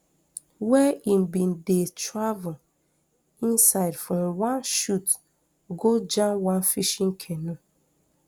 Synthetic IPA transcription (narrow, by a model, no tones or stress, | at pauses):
wɛim̩bin̩detavʊl̩ | insaɪdfɾɔ̃mwanʃut | ɡod͡ʒãmwãnfiʃŋ̩kʰenu